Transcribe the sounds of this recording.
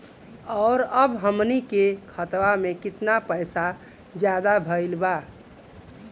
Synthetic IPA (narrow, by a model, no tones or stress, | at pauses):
ɔʊɾəbɦəmnikekʰət̪ʋamẽkɪt̪napəjsa | d͡ʒjad̪abʱəɪlba